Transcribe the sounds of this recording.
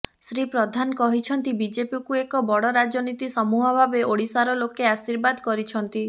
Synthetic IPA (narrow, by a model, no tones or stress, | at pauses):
sɾipɾɔd̪ʱanɔkɔɦit͡ʃʰɔnt̪ibid͡ʒepikuekɔbɔɽɔɾad͡ʒɔnit̪isɔmuɦɔbʱabeʔoɽisaɾɔlokeasiɾbad̪kɔɾit͡ʃʰɔnt̪i